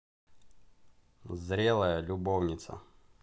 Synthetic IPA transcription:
zɾʲelˠəjəlʲʊbovnʲɪt̪sə̰

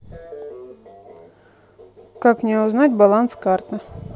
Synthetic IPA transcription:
kakmnʲɛʊznatʲbalˠanskart̪ə

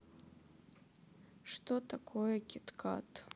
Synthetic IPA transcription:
ʂt̪ot̪akʰojɛkʲɛt̪kʰa̰t̪

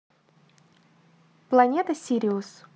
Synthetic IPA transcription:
plˠɐnʲet̪əsʲiɾʲɪʊs

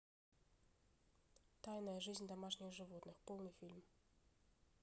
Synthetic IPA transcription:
t̪ajnɐjɐʐɨzʲnʲd̪amaʂnʲɛxʐɨvɔt̪nɨxpɔlˠnɨfʲilʲm

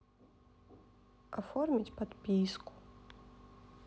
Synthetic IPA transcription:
afɔrmʲitʲpat̪pʲisku̥

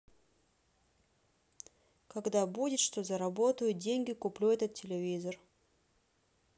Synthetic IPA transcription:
kɐɡd̪abudʲɪt̪ʂt̪o̞zəɾɐbo̞t̪əjʊt̪̚dʲenʲɡʲɪkʊplʲuɛt̪ət̪̚tʲːɪlʲɪvʲizər

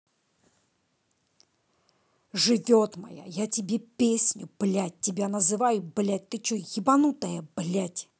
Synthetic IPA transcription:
ʐɨvʲot̪mɐ̰ja̰jatʲɪbʲepʲesʲnʲʊb̥lʲat̚ʲtːʲɪbʲanəzɨvajʊblʲat̚ʲt̪ɨt͡ɕujɪbɐnut̪əjəblʲatʲ

